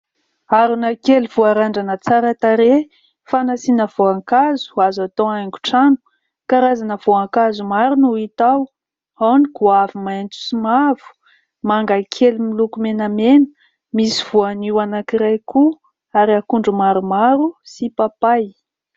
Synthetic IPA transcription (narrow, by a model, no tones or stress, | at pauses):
aɾunakelvuaɾaɳɖ͡ʐanət͡saɾat̪aɾe | fanasinəv̥oaŋkazu̥azat̪oaŋɡu̥ʈ͡ʂanu̥ | kaɾazanəvoaŋkazumaɾunuit̪aw | awnikuavumaent͡su̥simav̥u̥ | maŋɡakʰelimilukumenamenə̥ | misiv̥uaniwanakiɾajku | aɾiakuɳɖ͡ʐumaɾumaɾusipapaj